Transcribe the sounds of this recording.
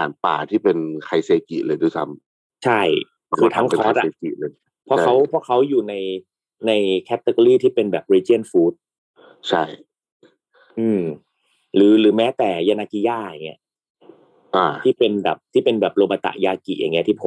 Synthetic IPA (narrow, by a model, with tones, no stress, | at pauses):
a̰ː˨˩˦npa̰ː˨˩t̪ʰiː˥˩pe˧nkʰa˧jseː˧kḭ˨˩lɤː˧jdu˧˩sa̰˦˥m | t͡ɕʰa˥˩j | kʰɯː˧˩t̪ʰa˦˥ŋkʰe˧˨a˦a˦˧˥a˧eː˧kḭ˨˩lɤː˧j | pʰɔ˧˦˥kʰa˦˥wpʰɔ˦˥kʰa˦˥wjuː˨˩na˧j | na˧jkʰɛ˦˥t̪ːe˧kɔ˧ɾiː˥˩t̪ʰiː˥˩pe˧nbɛː˨˩p̚ɾiː˧t͡ɕi˥˩ənfuː˦˥t̪̚ | t͡ɕʰa˥˩j | ʔɯː˧m | ɾɯː˩˦lɯː˨˩˦mɛː˦˥t̪ɛː˨˩jaː˧na˧ki˧jaː˥˩ja̰˨˩ŋːi˦˥ɐ | ʔaː˧˩iː˥˩pe˧nbɛ̰ː˨˩p̚t̪ʰiː˥˩pe˧nbɛː˨˩p̚loː˧ba˧t̪a̰˨˩ʔjaː˧kḭ˨˩ʔja̰˨˩ŋːi˦˥ɐt̪ʰiː˥˩pʰo˨˦